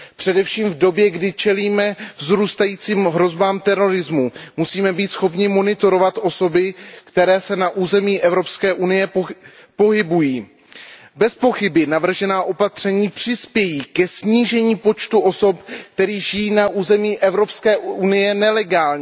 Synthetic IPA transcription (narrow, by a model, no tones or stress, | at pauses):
pr̝̥ɛdɛfʃiːmvdo̞bjɛɡdɪt͡ʃɛliːmɛvzɾuːst̪ajiːt͡siːmɦɾo̞zbaːmt̪ɛɾo̞ɾɪzmumusiːmɛbiːt̪sxo̞pɲɪmo̞nɪt̪o̞ɾo̞vat̪ʔo̞so̞bɪkt̪ɛɾɛːsɛnaʔuːzɛmiːʔɛvɾo̞pskɛːʔunɪjɛ | po̞ɦɪbujiː | bɛspo̞xɪbɪnavr̩ʒɛnaːʔo̞pat̪r̝̥ɛɲiːpr̥ɪspjɛjiːkɛsɲiːʒɛɲiːpo̞t͡ʃt̪uʔo̞so̞pk̚t̪ɛɾiːʒɪjiːnaʔuːzɛmiːʔɛvɾo̞pskɛːunɪjɛnɛlɛɡaːlɲɛ